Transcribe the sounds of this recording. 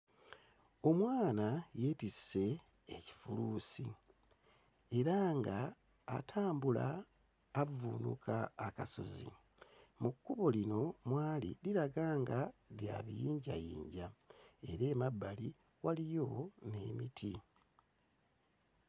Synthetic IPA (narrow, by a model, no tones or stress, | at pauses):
o̞mwaːnaje̞tise̞ː | ci̥fuluːsi | e̞ɾaŋɡaː | tʰaːmbulaː | vunṵkʰaːkaso̞̰zḭ | mukːuβo̞lino̞mwaːlḭliɾaɡaːŋɡalja̰βijiːɲɟajiːɲɟae̞ɾe̞ːmabːali | walijo̞ne̞mitʰi